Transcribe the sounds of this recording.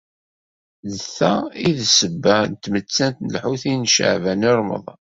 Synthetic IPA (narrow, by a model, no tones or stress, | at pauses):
ðəθæiðsəbːænət̪ːmət͡sːænt̪nəlħuθinʃə̰ʕvæniɾˤmə̰ðˤɑ